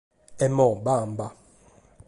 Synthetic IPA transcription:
ɛmɔbamba

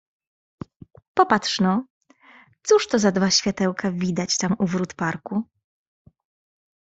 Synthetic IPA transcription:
pɔpat̪ʂnɔ | t̪suʂt̪ɔzad̪vaɕfʲjat̪ɛwkavʲid̪at͡ɕt̪amuvɾut̪paɾku

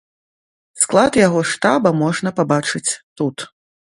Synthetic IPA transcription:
sklˠat̪jaɣɔʂt̪abɐmɔʐnɐpabat͡ʂɨt͡sʲt̪ut̪

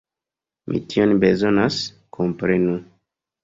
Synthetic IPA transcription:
mʔḭtionbe̞zo̞nas | kʰompɾenu

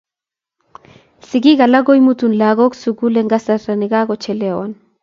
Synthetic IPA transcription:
siɡiɡalaɡojmut̪unlaɡoksuɡuleŋɡasaɾaniɡaɡot͡ʃɛlean

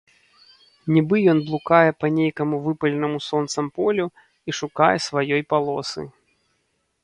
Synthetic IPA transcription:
nʲibɨjɔnblˠukajɛpɐnʲejkɐmuvɨpɐlʲɛnɐmusɔnt̪sɐmpɔlʲu | iʂukajɛsvajɔjpalˠɔsɨ̰

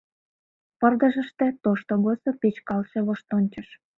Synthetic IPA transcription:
pə̆rd̪ə̆ʒə̆ʃt̪ĕt̪oʃt̪oɣosopet͡ɕkɑlʃeβoʃt̪onʲt͡ɕə̆ʃ

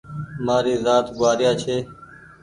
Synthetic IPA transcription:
maːɾiːzaːt̪ɡaːɾɪjaːt͡ʃʰeː

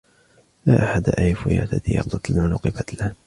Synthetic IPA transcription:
laːʔaħad̪aʔajfʊja̰ːt̪at̪ijɑ̰qd̪ˤɑt̪lmaːlʊqɨbat̪la

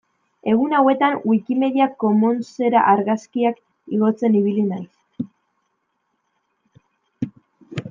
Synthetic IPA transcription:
e̞ɣ̞unawe̞t̪anwikime̞ðiakːo̞monse̞ɾa̰ʔaɾɣaskiak | iɣ̞o̞t͡se̞niβ̞ilinajs

